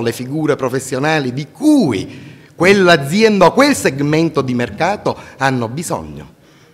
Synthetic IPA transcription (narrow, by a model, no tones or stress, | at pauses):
lefiɡuːɾepɾofesːjonaːlid̪ikuːikwelːad̪zːjɛnd̪aokwelseɡmɛnt̪od̪imerkaːt̪oanːobizɔ̰ɲːo̰